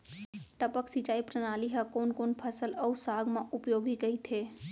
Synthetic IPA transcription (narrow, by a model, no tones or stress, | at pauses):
ʈəpəksit͡ʃaːipɾənaːliɦəkoːnkoːnpʰəsəlɐusaːɡʱmãʔʊpjoːɡikɐit̪ʰeː